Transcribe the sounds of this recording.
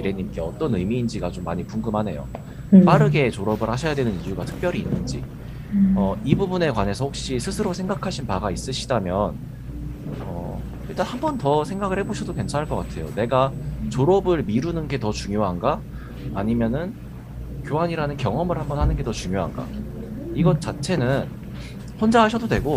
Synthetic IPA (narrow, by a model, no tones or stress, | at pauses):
iɾe̞ɲimk͈e̞ʌt͈ʌnɯmiːnd͡ʑiɡat͡ɕomːaɲipuŋɡɯmɦane̞jo̰ | p͈aɾɯɡe̞t͡ɕoɾʌbɯɭhaɕʰʌjadwe̞nɯnijuɡatʰɯ̥k̚p͈jʌɾiːnːɯnd͡ʑḭ | ʌibubune̞kwane̞sʰʌhok̚ɕ͈isʰɯsʰɯɾosʰe̞ŋɡakʰaɕʰinpaɡais͈ɯɕʰidamjʌn | ʌ̰ | iɭt͈anhambʌntʌsʰe̞ŋɡaɡɯɭheboɕʰidoke̞nt͡ɕʰanɦaɭkʌk͈atʰe̞jo̰ne̞ɡat͡ɕoɾʌbɯɭmiɾunɯnɡe̞tʌt͡ɕuŋjoɦanɡaː | ɲimjʌnɯn | kjoɦaɲiɾanɯnkjʌŋʌmɯɭhambʌnhanɯnɡe̞tʌt͡ɕuŋjoɦa̰nɡa̰iɡʌt̚t͡ɕ͈at͡ɕʰe̞nɯn | hond͡ʑaɦaɕ̬ʰʌdodwe̞ɡo